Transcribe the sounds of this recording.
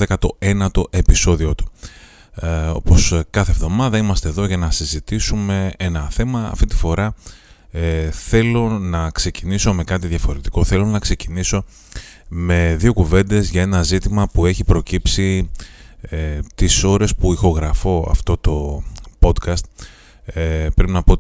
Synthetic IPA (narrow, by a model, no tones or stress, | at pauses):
ekɐt̪o̞e̞nɐt̪o̞ʔe̞piso̞ðiot̪u̥ | o̞po̞skɐθevðo̞mɐðɐimɐst̪e̞ðo̞ʝɐnɐsizit̪isume̞enɐθe̞mɐ̰ːft̪it̪i̥fo̞ɾɐ | θe̞lo̞nɐkse̞ciniso̞me̞kɐt̪iðʝɐfo̞ɾe̞t̪i̥ko̞θe̞lo̞nɐkse̞ciniso̞ | me̞ðio̞kuve̞nd̪e̞zʝɐe̞nɐzit̪imɐpue̞çipɾo̞cipsi | et̪iso̞ɾe̞spuixo̞ɣɾɐfo̞ɐ̰ft̪o̞t̪o̞po̞d̪kɐst̪̚ | pɾpinɐpo